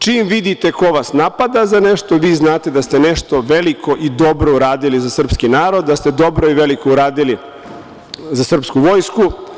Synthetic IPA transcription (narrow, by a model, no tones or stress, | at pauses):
t͡ʃiːmʋid̪it̪e̞ko̞ʋasnapad̪azane̞ʃt̪o̞ʋiːznaːt̪e̞d̪ast̪e̞neʃt̪o̞ʋelikʰo̞ʔid̪o̞bɾouɾaːd̪ilizasr̩pskinaːɾo̞d̪ːast̪e̞d̪o̞bɾo̞iʋelikouɾaːd̪ili | zasr̩pskuʋo̞jsku